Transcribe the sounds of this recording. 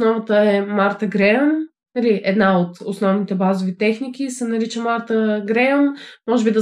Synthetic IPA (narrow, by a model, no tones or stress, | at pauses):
snɔvət̪əɛmaɾt̪əɡɾɛon | nɐliʔɛd̪naot̪osnɔvnit̪ɛbazovit̪ɛxnikisɛnɐɾit͡ʃəmaɾt̪əɡɾɛonmɔʒɛbid̪ɐ